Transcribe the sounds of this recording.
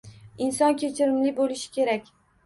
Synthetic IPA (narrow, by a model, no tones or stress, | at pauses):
ɪnsɒnkʲet͡ʃʰɪɾɪmlɪbolɪʃɪ̥kʲʰe̞ɾakʲ